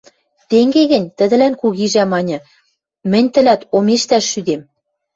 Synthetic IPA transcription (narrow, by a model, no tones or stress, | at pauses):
t̪eŋɡeɣɘ̆nʲt̪ə̆d̪ə̆lænkuɣiʒæmɑnʲɤ̆ | mɘ̆nʲt̪ə̆læt̪omeʃt̪æʃːyd̪em